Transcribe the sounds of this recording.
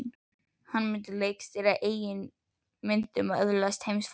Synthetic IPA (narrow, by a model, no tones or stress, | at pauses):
n | hanmɪnt̪ɪleːjkst̪ɪɾaʔeːjɪn | mɪnt̪ʏmœ̰ðɾlast̪hejmsf